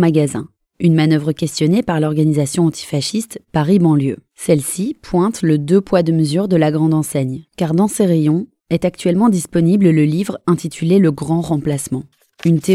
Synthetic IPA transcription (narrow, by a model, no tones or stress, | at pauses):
maɡazɛ̰̃ | ynmanœvʁəkʲɛst̪jɔnepaʁlɔʁɡanizasjɔ̃ɑ̃t̪ʰi̥faʃist̪paʁibɑ̃ljø | sɛlsipʰwɛ̃t̪ləd̪øpwad̪əməzyʁd̪əlaɡʁɑ̃d̪ɑ̃sɛɲkaʁd̪ɑ̃seʁejɔ̃ | ɛt̪ak̚t̪ɥɛlmɑ̃d̪ispɔniblləlivʁɛ̃t̪it̪ʰyleləɡʁɑ̃ʁɑ̃plasmɑ̃ | ynt̪e